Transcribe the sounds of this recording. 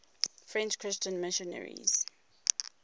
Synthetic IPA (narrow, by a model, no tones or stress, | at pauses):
fɹɛ̃nt͡ʃkʰɹɪst͡ʃə̃nmɪʃɔnə̰ɹḭz̥